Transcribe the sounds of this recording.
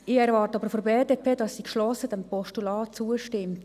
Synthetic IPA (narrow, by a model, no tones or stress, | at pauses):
ɪɛɾvɑːrtəɑbəɾfobeːdeːpʰeːdɑsːikʃlɔsəd̥ɛmpɔʃtulɑːt͡suəʃtɪmt